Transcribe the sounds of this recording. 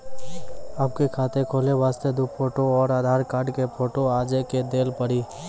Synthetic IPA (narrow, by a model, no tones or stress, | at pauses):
əb̚kekʰaːt̪ekʰoːleʋaːst̪ed̪ʊkpʰoːʈoɔːɾaːd̪ʱaːɾkaːɾɖkepʰoːʈoaːd͡ʒeked̪eːlpəɽiː